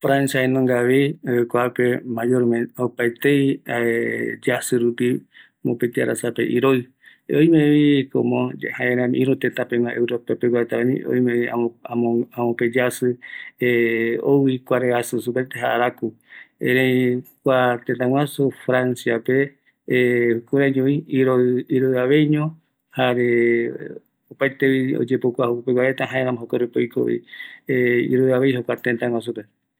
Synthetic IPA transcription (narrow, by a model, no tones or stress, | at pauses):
fɾãnsiaenõŋɡaβikʷapemajoɾmẽopaet̪ej | d͡ʒasɨɾupi | mõpet̪ia̰ɾa̰sapḛʔiɾoi | ojmẽβikõ̰mõhaẽɾãmĩʔĩɾut̪et̪ãpemãʔewɾopapekʷat̪aamḭ̃o̰jmẽiaaamõped͡ʒasɨeoikʷaɾeasɨsup̬et̪eɦaʔaɾaku | eɾekʷat̪ent̪ãŋwasufɾansiape | hukuɾad͡ʒõiiɾoiɾoɨaβe̞jɲõ | haɾe | opajt̪eβio̰d͡ʒepokʷahokpeɡʷwaɾet̪aɦãẽɾãmãɦokoɾupojko̰ʔḭeḭɾoɨaβejɦokʷat̪ent̪ãŋʷwas̬upe